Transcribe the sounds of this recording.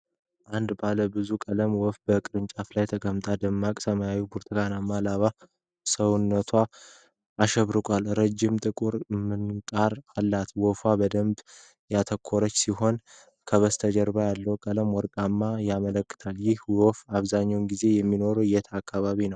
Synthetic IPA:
ʔand̪baləbɨzukʼələmwɔfbəkʼɨɾɨnt͡ʃʼaflajt̪ʰəkʼəmt̪ʼʰad̪əmːakʼsəmajawibuɾt̪ʰɨɡanamːalaβa | səwʊnːət̪ʰwaː | ʃɛβɾɨkʼalɾəd͡ʒːɪmt̪ʼɨkʼuɾmɨnkʼaɾalːat̪wɔfwabəd̪əmb | jat̪ʰəkʰːoɾət͡ʃːsiɦo̞n | kʰəβəst̪ʰəd͡ʒɛɾbajalːəwkʼələmwɔɾkʼamːajamələkːɨ̥t̪ʰaljɪhwɔfaβzaɲːawnɡize̞jɛmːino̞ɾujɛt̪ʰakːaβaβinəw

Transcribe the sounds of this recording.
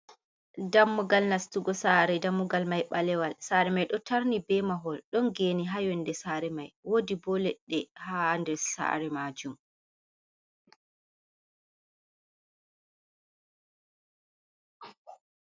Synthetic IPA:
damːuɡalnastuɡɔsaɾɛdamːuɡalmajɓalɛwalsaɾɛmajɗɔtaɾnibɛmaɦɔlɗɔnɡeːniɦajɔndɛsaɾɛmajwodibɔlɛɗːɛhandɛɾsa̰ɾɛmaːd͡ʒum

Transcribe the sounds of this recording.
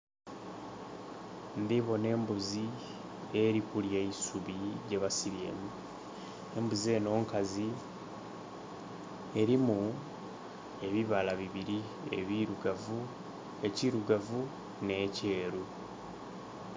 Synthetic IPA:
ndiβo̞ne̞ːmbuzi | e̞ɾikuljeisuβiɾɟeβasiɾje̞̰mu | embuzie̞no̞ːŋkazi | e̞ɾimu | e̞βiβalaβiβiɾi | ḛβiɾuɡavu | eciɾuɡavu | ne̞ce̞ːɾu

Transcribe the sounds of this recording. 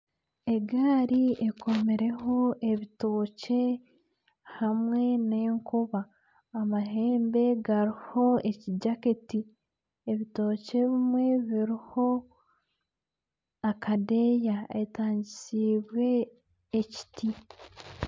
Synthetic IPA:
e̞ɡaːɾie̞kʰo̞meɾe̞ɦo̞ʔe̞βitoːce̞ | hamwe̞ne̞ːŋkuβaː | maɦe̞ːmbe̞ɡaɾiho̞e̞ciɟaketi | eβito̞ːce̞βimwe̞βiɾiho̞ | akʰade̞jae̞taːɲɟisiːβwe̞ː | ci̥ti

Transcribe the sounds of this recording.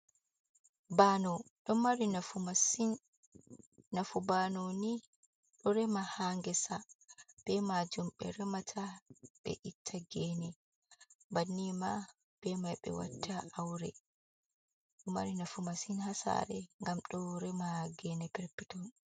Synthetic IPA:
banɔɗɔmaɾinafumasin | afubanoni | ɗɔɾɛmahaːŋɡɛsab̥ɛmad͡ʒumɓɛɾɛmatʰaɓ̥ɛ̰ʔitʰːaɡɛnɛ | banːima | b̥ɛmajɓɛ̰wa̰tʰːaawɾɛ | ɗɔma̰ɾinafumasinhasa̰ɾɛŋɡamɗɔɾɛmaɡɛnɛpɛɾpːitɔn

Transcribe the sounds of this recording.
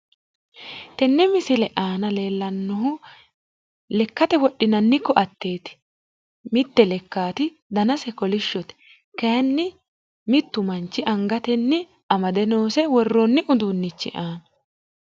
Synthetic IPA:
t̪ɛnːɛmɪsɪlɛʔaːnɐle̞ːlːɐnːɔɦʊ | lɛkːɐt̪ɛwɔɗɪnɐnːɪkːɔʔɐt̪ːe̞ːt̪ɪ̥ | mɪt̪ːɛlɛkːaːt̪ɪ | d̪ɐnɐsɛkɔlɪʃːɔt̪ɛ̥ | kɐɐnːɪ | mɪt̪ːʊmɐnt͡ʃːɪʔɐŋɡɐt̪ɛnːɪ | ɐmɐd̪ɛnoːsɛwɔrːonːɪʔʊd̪uːnːɪt͡ʃːɪ̰ʔaːnɐ

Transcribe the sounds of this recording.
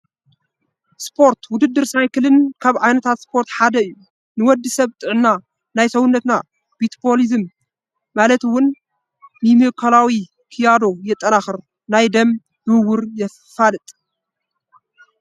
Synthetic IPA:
spʰo̞ɾt̪ʰwʊd̪ɨd̪ːɨɾsajkʰɨlɨnkʰaβʕajnɐt̪ʰat̪spʰo̞ɾt̪ħad̪ɐɨjːu | nɨwɔd̪ːɨsɐβt̪ʼɨʕna | najsɐwʊnːɐt̪na | bit̪pʰolizɨmː | alɐt̪wʊnː | ɨmɨkʰɐlawi | kʰijad̪o̞jɛt̪ʼːɐnaxɨɾ | najd̪ɐm | d̪ɨwːʊɾjɛ | falɨt̪ʼ

